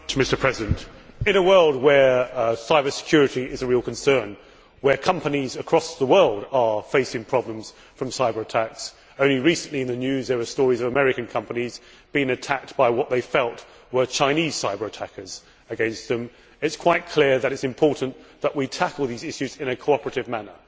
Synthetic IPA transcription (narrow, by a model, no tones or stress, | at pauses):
tʰəmɪstə˞pʰɹ̥ɛzɪdɨ̃ntɨ̃nəwɜ˞lˠd̚wə˞saɪbə˞sɪ̥kʰj̥ʊɹɨɾiʔɪzəɹilˠkʰnsɜ̃˞n | wə˞kʰʌ̃mpənizəkʰɹ̥ɔsðəwɜ˞lˠdə˞feɪsɪ̃ŋpʰɹ̥ɑblə̃mz̥ | fɹʌ̃msaɪbə˞ətʰæks | õʊ̃nliɹisə̃nʔliɨ̃nðɨnjʉzðə˞wəstɔɹizʌvəmɛɹɨkɨ̃n̩kʰʌ̃mpəniz | b̥iɪ̃ŋɨtʰæk̚t̚b̥aɪwʌʔ̪̚ðeɪfɛlˠt | wə˞t͡ʃʰãɪ̃niz̥saɪbə˞ɨtʰækə˞z̥ | ɨɡɛ̃nst̪̚ðɨ̃m | ɨtskʰw̥aɪt̚kʰl̥ɪɹðɨɾɨtsɨ̃mpʰɔɹʔn̩ðəʔwitʰækəlˠðizɪʃʉzɪ̃nɨkʰəoʊɑpəɹɨɾɨvmænə̰˞